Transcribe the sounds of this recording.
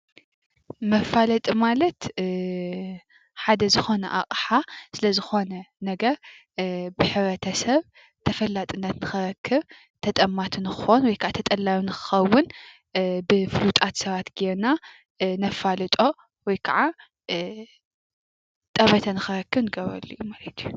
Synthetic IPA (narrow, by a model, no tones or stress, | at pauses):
mɐfalɐt̪ʼimalɐt̪ | ħad̪ɐzɨxo̞nɐ̰ʔa̰χʼħasɨlɐzɨxo̞nɐnɐɡɐɾ | bɨħɨβɾɐt̪ʰɐsɐβ | t̪ʰɐfɐlːat̪ʼɨnːɐt̪nɨxɨɾɐkʰːɨβ | t̪ʰɐt̪ʼɐmːat̪ʰɨnɨxɨ̥xonwɔjkʰaʕat̪ʰɐt̪ʼɐlːajunɨxɨ̥xɐwːʊn | bɨfɨlut̪ʼat̪sɐβat̪ɡeɾna | nɐfalɨt̪ʼo̞ | wɔjkʰɐʕa | t̪ʼɐβɐt̪ʰɐnɨxɨɾɐkːɨβnɨɡɐβɾɐ̰lːiʔumalɐt̪ʰiju